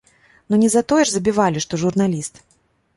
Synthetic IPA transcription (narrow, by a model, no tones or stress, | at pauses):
nunʲɛzat̪ɔjɛʐzɐbʲivalʲiʂt̪ɔʐurnalʲist̪